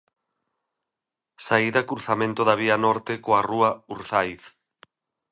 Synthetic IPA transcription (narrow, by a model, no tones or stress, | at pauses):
saiðɐkuɾθamẽnt̪oðaβ̞ianɔɾt̪ɪkoaruɐuɾθajθ